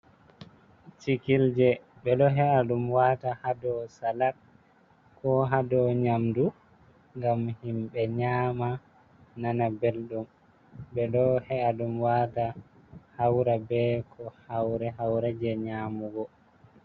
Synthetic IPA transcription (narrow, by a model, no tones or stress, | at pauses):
t͡ʃikild͡ʒɛ | bɛɗɔɦɛaɗumwatahadɔsalat̚ | kɔɦadɔɲamdu | ŋɡamhimɓɛɲaːma | nanabelɗum | bɛɗɔhɛʔaɗumwata | hawɾabɛkʰɔhawɾɛɦawɾɛd͡ʒɛɲaːmuɡɔ